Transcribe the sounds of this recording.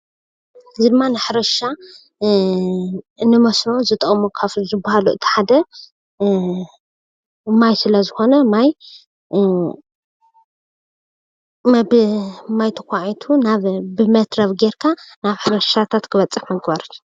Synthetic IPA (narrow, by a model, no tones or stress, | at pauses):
ɨzid̪ɨmːanɨħɾɐʃa | nːɨmɐsnozɨt̪ʼɐχʼmokʰafzɨbːahaluʔɨt̪ʰi̥ħad̪ɐ | majsɨlɐzɨxo̞nɐmaj | mbmajt̪ʰɐkʷaʕit̪ʰunaβbɨmɐt̪ɾɐβɡeɾkʰanaβħɨɾɐʃat̪ʰat̪kʰɨβɐt͡sʼːɨħmɐɡbaɾt̪